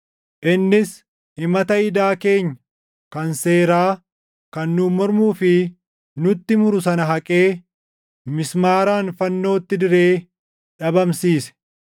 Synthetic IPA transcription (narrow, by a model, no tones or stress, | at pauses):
ʔɪnːɪs | ɪmɐt̪ɐɪd̪aːke̞ːɲːɐ | kɐnse̞ːɾaː | kɐnːʊmɔɾmuːfɪ | nʊt̪ːɪmʊɾʊsɐnɐɦɐkʼe̞ː | mɪsmaːɾaːnfɐnːo̞ːt̪ːɪd̪ɪɾe̞ː | ᶑɐbɐmsiːsɛ̥